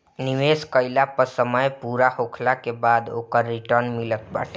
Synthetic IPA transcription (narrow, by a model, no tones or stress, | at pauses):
nɪʋeːskəɪlapəɾsəməjpuːɾahoːkʰlakebaːd̪o̰ːkəɾːɪʈəɾnmɪlət̪̚ba̰ːʈe